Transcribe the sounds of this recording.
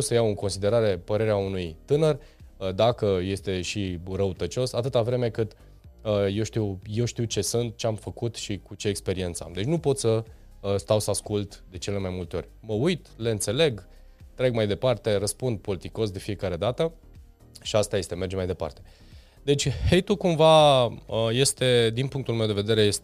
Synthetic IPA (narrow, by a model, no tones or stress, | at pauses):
wsəjawɨŋko̞nsid̪e̞ɾaɾe̞pəɾe̞ɾeaunujt̪ɨnər | d̪akəje̞st̪e̞ʃiɾəut̪ət͡ʃo̞sat̪ɨt̪avɾe̞me̞kɨt̪ | əje̞wʃt̪iwje̞wʃt̪iwt͡ʃe̞sɨnt̪̚t͡ʃe̞amfəkut̪ʃikut͡ʃe̞ːkspe̞ɾie̞ntsa̰md̪e̞t͡ʃʲnupo̞t̪sə | st̪awsəaskult̪d̪e̞t͡ʃe̞le̞majmult̪e̞o̞̰rʲməujt̪le̞ɨnt̪se̞le̞ɡ | t̪ːɾe̞ɡmajd̪e̞part̪e̞rəspund̪̚po̞lit̪iko̞s̬d̪e̞fije̞kaɾe̞d̪at̪ə | ʃiast̪aje̞st̪eme̞rd͡ʒmajd̪e̞pa̰rt̪e̞̥ | d̪e̞t͡ʃʲhe̞jt̪ukumvaəje̞st̪e̞d̪inpuŋkt̪ulme̞wd̪e̞ve̞d̪e̞ɾe̞je̞st̪e